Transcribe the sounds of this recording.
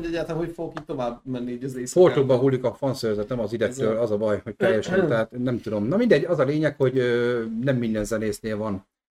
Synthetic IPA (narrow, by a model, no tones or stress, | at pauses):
ɛɟːat̪amɦocfoɡokiːt̪t̪ːo̞vaːbmɛnːiiːɟɒzeːsport̪oɡbɒɦulːikɒfɒnsøːɾzɛt̪ɛmɒzid̪ɛkt̪øːlɒzɒbɒjho̞ckɛɾɛʃɛnt̪ɛɦaːt̪nɛmt̪ud̪o̞mnɒmind̪ɛɟːɒzɒleːɲɛkho̞ɟønɛmːind̪ɛnzɛneːsneːlvɒn